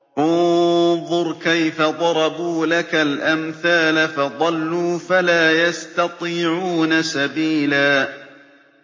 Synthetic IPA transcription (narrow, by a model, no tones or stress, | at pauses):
ʔʊnðˤʊɾkajfaðˤɑɾˤɑbuːlakalʔamθaːlafɑðˤɑlːuːfalaːjast̪ɑt̪ˤiːʕuːnasabiːlaː